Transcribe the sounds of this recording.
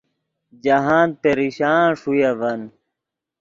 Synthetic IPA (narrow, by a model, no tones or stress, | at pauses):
d͡ʑɐɦaːnpeɾiɕaːʂujɐvɐn